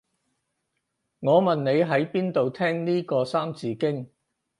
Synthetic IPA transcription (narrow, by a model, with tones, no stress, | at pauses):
ŋɔː˨˧mɐ˨nne˨˧jɦɐ˨˥jpiː˥nt̪o˨wt̪ʰɛː˥ŋniː˥kɔː˧saː˥mt͡siː˨˧kɪ˥ŋ